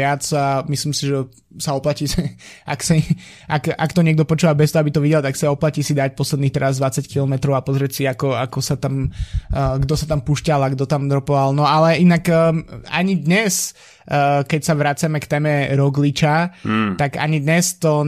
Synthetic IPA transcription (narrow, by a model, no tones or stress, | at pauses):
ɪat͡samisliːmsiʒɛ | saɔplaciːʒɛa̰ksa | ʔaka̰kt̪ɔɲɪɛɡ̚d̪ɔpɔt͡ʃuːʋabɛst̪ɔɦɔabit̪ɔʋiɟɛlt̪aksaɔplaciːsid̪ac̚pɔslɛd̪niːxt̪ɛɾazd̪ʋat͡sackilɔmɛt̪ɾɔʊapɔzɾɛcsiakɔakɔsat̪am | ɡd̪ɔsat̪ampuʃcalaɡd̪ɔt̪amd̪ɾɔpɔʋalnɔalɛinakːa̰ɲid̪ɲɛs | kɛcsaʋɾat͡samɛkt̪ɛːmɛɾɔɡlit͡ʃat̪aɡa̰ɲid̪ɲɛst̪ɔ